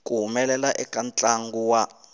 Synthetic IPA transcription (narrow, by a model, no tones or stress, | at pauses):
kuɦumɛlɛlaʔɛkʼant͡ɬʼaŋɡuwa